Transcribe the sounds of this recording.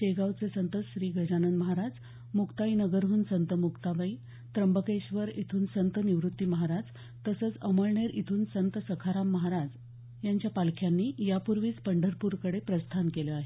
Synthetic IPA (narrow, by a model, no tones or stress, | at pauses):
eɡawt͡sesənt̪ət͡sɕɾiːɡʱəd͡ʑanənd̪məɦaɾad͡z | mukt̪ainəɡəɾɦuːnsənt̪əmukt̪aʋəi | t̪ɾəmbəkeɕʋəɾit̪ʰuːnsənt̪niʋɾut̪ːiːməɦaɾad͡z | t̪əsəːt͡səməɭɳeɾʔit̪ʰuːnsənt̪əsəkʰaɾamːəɦaɾad͡z | jaɲt͡ɕjapalkʰjanːiːjapuɾʋiːt͡spəɳɖʱəɾpuɾkəɽepɾəst̪ʰankeləaɦe